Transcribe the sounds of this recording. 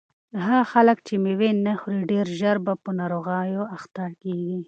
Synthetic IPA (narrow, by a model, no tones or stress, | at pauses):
ɦaxalək̚t͡ʃemewenaxuɾiɖeɾʒaɾbapənɑɾoɣɑjoaxt̪ɑɾkeɡi